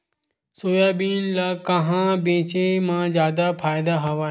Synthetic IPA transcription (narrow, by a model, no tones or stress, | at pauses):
soːjaːbiːnlakɐ̃ɦãbẽːt͡ʃemãzjaːd̪apʰaːjd̪aɦɐʋa